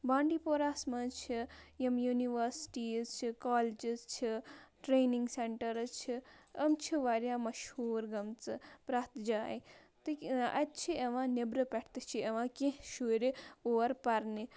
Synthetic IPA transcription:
bãːɳɖiːpoːɾaːsmɐt͡ʃʰijɐmjuniʋɐɾsʈiːzt͡ʃʰikaːled͡ʒizt͡ʃʰiʈɾeːniŋɡseɳʈɐɾɐt͡ʃʰiɐmt͡ʃʰiʋaɾjaːmɐʃhuːɾɡɐmt͡sɨpɾaːt̪d͡ʒaːj | t̪iɐt̪̚t͡ʃʰieʋãːnebɾɨpɐʈʰt̪ɨt͡ʃʰieʋãːkẽʃuɾioɾpɐɾni

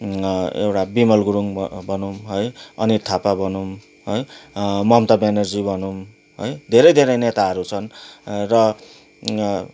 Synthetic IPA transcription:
ḛwʈabimʌlɡuɾuŋbʱʌnumɦojʌnit̪ʰapabʱʌnum | ɦojmʌmt̪ʌbenʌrd͡zibʱʌnum | ɦojd̪ʱeɾʌjd̪ʱeɾʌjnet̪aɦʌɾut͡sʰʌnrʌ

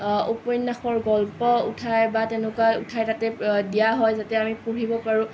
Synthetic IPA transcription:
opɔjnːaxɔɹɡɔlpɔṵtʰajbatɛnʊkautʰajtatɛdijaɦɔjzatɛamipuɹibɔpaɹʊ̃

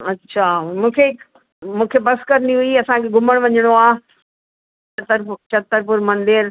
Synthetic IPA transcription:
ɐtːɕʰamũːkʰek | mũːkʰebɐskɐɾəniɦuiɐsãkʰeɡʱʊməɽ̃ʋɐɲəɽ̃oaː | ɐt̪əɾt͡ɕɐt̪ːəɾpʊɾmɐ̃nd̪ɪɾ

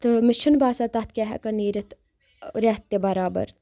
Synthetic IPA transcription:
t̪ɨmɪʃənbaːsat̪ɐt̪̚ʰkʲaːɦɛ̰kɐniːɾɐt̪ | ɾɐɦt̪ːebɐɾaːbɐ̰ɾ

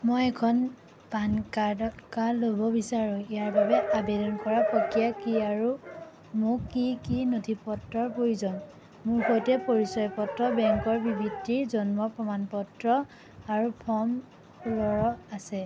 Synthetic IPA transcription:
mojɛkʰɔn | bankaɔkalobɔbisaɹũijaɹbabɛʔabedɔnkɔɹapokijakiaɹu | mʊkikinotʰipɔtɹɔɹpoɹizɔn | mʊɹxojtɛpoɹisɔjpɔtɹɔbɛŋkɔɹbibʱitːiɹzɔnmɔpɹɔmanpɔtɹɔ | aɹupʰɔm | lɔɹɔasɛ

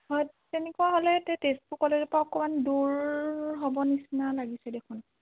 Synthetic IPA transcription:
hɔj | tenɛkuaɦolɛtɛtespukɔlɛdɛpaɔkɔmanduɹɦobɔnisnalaɡisɛdekʰʊn

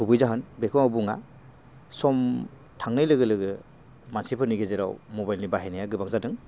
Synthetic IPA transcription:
hubɯjzaɦɯnbekʰɔŋawbuŋa̰ | sɔm | tʰaŋnɯjlɯɡɯlɯɡɯ | mansipʰɯniɡezeɾa̰wmɔbajlnibaɦenajaɡɯbaŋzadɯŋ

